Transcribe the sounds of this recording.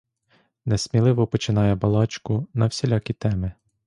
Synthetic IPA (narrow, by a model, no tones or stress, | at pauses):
nɛsmʲilˠɪʋɔpɔt͡ʃɪnɑjɛbɐlˠɑt͡ʃkʊnɐwsʲelʲɑkʲit̪ɛmɪ